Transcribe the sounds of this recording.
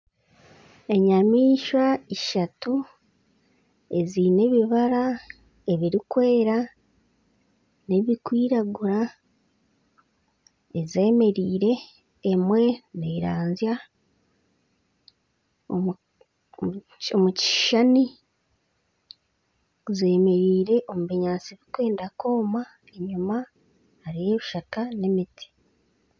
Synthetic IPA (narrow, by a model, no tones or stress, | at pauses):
e̞ɲamiːʃwaiʃatu | e̞zine̞βiβaɾa | e̞βiɾikwe̞ːɾa | ne̞βikwiːɾaɡuɾa | eze̞ːme̞ɾiːɾe̞ː | mwe̞neɾaːnzja | o | omuci̥ʃani | ze̞ːme̞ɾiːɾe̞ʔo̞muβiɲaːnt͡siβikwe̞ːndako̞ːma | eɲuma | haɾijeβuʃakane̞mitʰi̥